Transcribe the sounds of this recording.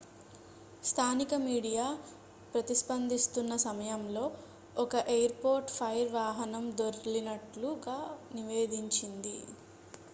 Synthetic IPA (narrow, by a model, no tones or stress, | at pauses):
st̪ʰaːnikɐmiːɽijaː | pɾɐt̪ispɐnd̪ist̪unːɐsɐmɐjɐmlo̞ː | ɔkɐʔejɐɾpoːɾʈpʰɐjɾʋaːɦɐnɐmd̪oɾlinɐʈluɡaːniʋe̞ːd̪iɲt͡ʃind̪i